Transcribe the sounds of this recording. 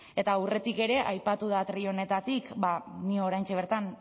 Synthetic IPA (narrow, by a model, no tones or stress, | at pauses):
e̞t̪awre̞t̪ike̞ɾe̞ʔajpat̪uðat̪ɾio̞ne̞t̪at̪ikbaniooɾajnt͡ʃeβ̞e̞ɾt̪an